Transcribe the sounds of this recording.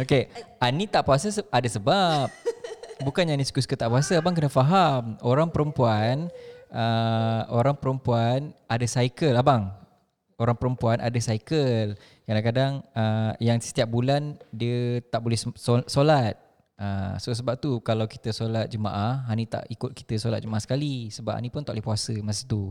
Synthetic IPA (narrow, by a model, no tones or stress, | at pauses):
okeanit̪aʔpuasəəadasəbap̚bukanjanĩskuskət̪aʔpuasəabaŋk̬ənafaɦamoɾaŋpəɾəmpuanəoɾaŋpəɾəmpuanadasajkəlabaŋ | oɾaŋpəɾəmpuanʔa̰dasajkəl | kadaŋkadaŋəjaŋsə̥t̪iap̚bulandiət̪aʔbolɛhsosolat̪̚ | əsos̬əbap̚t̪ukalawki̥t̪əsolat̪̚d͡ʒəmã̰ʔahɦanit̪a̰ʔikʊt̪̚ki̥t̪əsola̰t̪̚d͡ʒəmaʔasə̥kalisəbapha̰nĩpʊnt̪aʔlɛhpuasəmas̬it̪u